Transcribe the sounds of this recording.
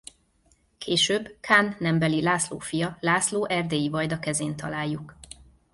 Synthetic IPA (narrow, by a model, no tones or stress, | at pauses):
kʰeːʃøːbkʰaːnːɛmbɛlilaːslo̰ːfijɒlaːsloːʔɛrd̪eːjivɒjd̪ɒkɛzeːnt̪ɒ̰laːjːuk